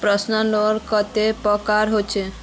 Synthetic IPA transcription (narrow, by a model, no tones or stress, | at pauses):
pɾɔsnɔloɾkɔt̪epɔkaɾɦot͡ʃʰe